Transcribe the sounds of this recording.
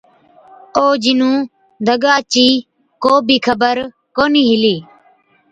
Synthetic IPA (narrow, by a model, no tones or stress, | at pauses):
oːd͡ʒɪnũː | d̪ʱəɡaːt͡ʃiː | koːbʱiːkʰəbəɾ | koːniːɦɪliː